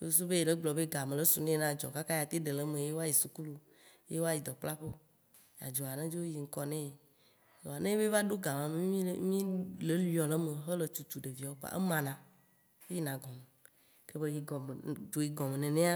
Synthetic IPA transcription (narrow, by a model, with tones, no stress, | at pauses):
o˦o˦s̬u˦be˦je˨ɖe˦ɡ͡blɔ˨be˦ɡa˨mẽ˨le˦su˨nẽ˦nã˦d͡ʒɔ̰˨ka˦ka˦ja˨t̪e˦ɖe˨le˦mẽ˨˦je˦wo˦a˦˨ji˨su˨ku˦lu˦ | je˦wo˦a˦ji˨d̪ɔ˨k͡pla˦ɸe˦ | ja̰˨d͡ʒo˨a˨nã˦d͡ʒo˦o˦ji˨ŋ̩˦kɔ˦nɛ̃˦je˨ | a˨nẽ˦e˦be˦va˦ɖo˦ɡa˨mã˨me˦ĩ˦mĩ˦le˦li˦ɔ˨le˦me˨ɦe˦le˨t͡ʃu˨t͡ʃu˨ɖe˨vi˨a˨wo˦k͡pa̰˨ʔḛ˦mã˨nã˨ | wo˦ji˦nã˨ɡɔ˨me˨ | ke˦be˦ji˨ɡɔ˨m˨d͡ʒo˨ji˨ɡɔ̃˨me˨nẽ˨nẽ˦a˦